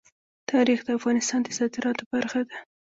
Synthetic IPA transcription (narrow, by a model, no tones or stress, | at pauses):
t̪ʰɑɾixd̪əafɣɑnɪst̪ɑnd̪əzɑd̪ɪɾɑt̪obaɾxad̪a